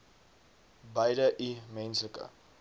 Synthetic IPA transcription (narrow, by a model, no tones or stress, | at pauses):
bɐjdəʔimɛnsləkə̰